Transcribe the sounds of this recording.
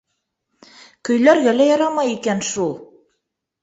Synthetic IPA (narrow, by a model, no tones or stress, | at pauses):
kɵ̆jlæɾɡælæjɑɾɑmɑjikænʃulˠ